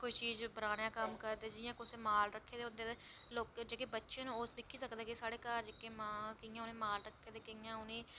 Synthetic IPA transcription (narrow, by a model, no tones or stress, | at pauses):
koiːt͡ʃiːzbəɾaːnjãːkəmkəɾd̪eːd͡ʒɪjãːkʊseːmaːlɾəkʰːeːd̪eʊ̃nd̪eːd̪eːloːkd͡ʒeːkeːbətːʃeñːoːsd̪ɪkʰːiːsəkd̪eːkesaːɽeːkəɾd͡ʒeːkeːmaːlkɪjãːʊnẽːmaːlɾəkʰːeːd̪eːkɪjãːʊnẽː